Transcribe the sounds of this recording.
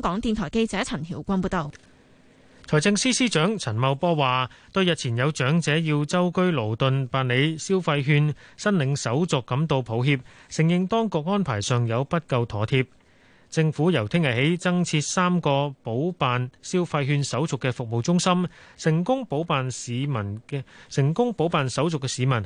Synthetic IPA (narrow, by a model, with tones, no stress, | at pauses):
ŋkɔː˨˥ŋt̪iː˧nt̪ʰɔː˨˩jke˧jt͡sɛː˨˥t͡sʰɐ˨˩nhʰiː˨˩wkʷɐ˥npuː˧t̪o˨˧w | t͡sʰɔː˨˩jt͡sɪ˧ŋsiː˥siː˥t͡ʃœː˨˥ŋt͡sʰɐ˨˩nmɐ˨˧wpɔː˥waː˨t̪ɵ˧ɥjɐ˨t̚t͡sʰiː˨˩njɐ˨˧wt͡ʃœː˨˥ŋt͡sɛː˨˥jiː˧wt͡sɐ˥wkɵ˥ɥlo˨˩wt̪ɵ˨npaː˨˧nle˨˧jsiː˥wfɐ˧jɦyː˧nsɐ˥nlɪ˨˧ŋsɐ˨˥wt͡sʊ˨kːɐ˨˥mt̪o˧wpʰo˨˥wɦiː˧p̚sɪ˨˩ŋjɪ˨ŋt̪ɔː˥ŋkʊ˨˧k̚ŋɔː˥npʰaː˨˩jsœː˨ŋjɐ˨˧wpɐ˥t̚kɐ˧wt̪ʰɔː˨˥t̪ʰiː˧p̚ | t͡sɪ˧ŋfuː˨˥jɐ˨˩wt̪ʰɪ˥ŋjɐ˨˩jhe˨˥jt͡sɐ˥ŋt͡sʰiː˧t̚saː˥mkɔː˧po˨˥wpaː˨nsiː˥wfɐ˧jɦyː˧nsɐ˨˥wt͡sʊ˨kːɛ˧fʊ˨k̚mo˨wt͡sʊ˥ŋsɐ˥msɪ˨˩ŋkʊ˥ŋpo˨˥wpaː˨nsiː˨˧mɐ˨˩nsɪ˨˩ŋkʊ˥ŋpo˨˥wpaː˨nsɐ˨˥wt͡sʊ˨kːɛ˧siː˨˧mɐ˨˩n